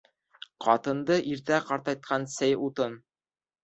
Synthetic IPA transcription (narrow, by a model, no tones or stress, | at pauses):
qʰɑt̪ɤ̆nd̪ɤʔiɾt̪æqɑɾt̪ɑjt̪̚qʰɑnsæjut̪ɤn